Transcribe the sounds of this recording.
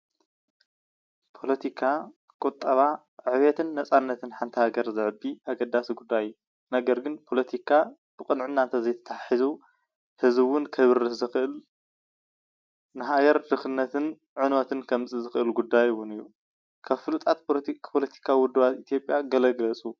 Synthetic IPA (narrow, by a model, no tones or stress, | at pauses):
pʰo̞lɐt̪ʰikʰa | kʼut̪ʼːɐβa | ʕʕɨβet̪ʰɨnːɐt͡sʼanːɐt̪ʰɨnħant̪ʰihaɡɐɾzɨʕɨbiʔaɡɐd̪asiɡud̪ːajjːu | nɐɡɐɾɡɨnpʰo̞lɐt̪ʰikʰa | b̥ɨkʼɨnʕɨnːant̪ʰɐzɐjt̪ʰɐ̥t̪ʰaħaħizu | hɨzɨwʊnkʰɐβɨɾɨzɨxʔɨl | nɨɦaɡɐɾd̪ɨxɨnːɐt̪ʰɨn | ʕɨnot̪ʰɨnkʰɐmzʼizɨxʔɨlɡud̪ːajɨwʊnɨjːu | kʰaβfɨlut̪ʼat̪̚pʰo̞lɐt̪ʰi̥kʰawiwʊd̪ːɨβat̪it̪ʰjo̞pʼjaɡɐlɐɡlɐt͡sʼu